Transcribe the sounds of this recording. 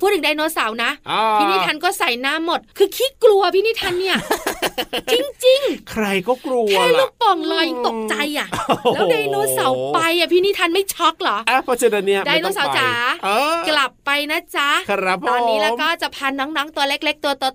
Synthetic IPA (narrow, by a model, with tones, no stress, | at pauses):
pʰuː˥˩ɯ˩˦da˧jnoː˧˦˥sa˩˦wna˦˥ʔʔiː˥˩niː˥t̪ʰa˧nkɔː˥˩sa˨˩˦jnaː˦˥mːo˨˩t̪̚kʰɯː˧kʰiː˦˥klu˧ɐ˧pʰiː˥˩niː˥˩t̪ʰa˧nːi˥˩ɐ | t͡ɕi˧ŋt͡ɕi˧ŋkʰɾa˧jkɔː˥˩klu˧ɛː˧˥luː˥˩k̚pɔ˨˩ŋlɔː˧jŋt̪o˨˩k̚t͡ɕa˧jʔa˨˩lːwdaː˧jnoː˧˥sa˨˩˦wpa˧jʔa˨˩pʰiː˥˩niː˥˩t̪ʰa˧nma˥˩jt͡ɕʰɔ˦˥k̚lɔ˨˦ʔa˧˩pʰɔː˦˧˩sʰɯ˧da˧ni˦˥ɐdaː˧jnoː˧˦˥sa˨˦wt͡ɕa˨˩˦ʔːkla˨˩pːa˧jnaː˦˥t͡ɕa˦˥ka˦pt̪ɔː˧nːi˦lɛː˦wkɔː˥˩t͡ɕa˨˩pʰaː˧nɔː˦˥ŋnɔː˦˥ŋt̪u˧ɐle˦˥˩k̚le˦˥k̚t̪u˧t̪u˧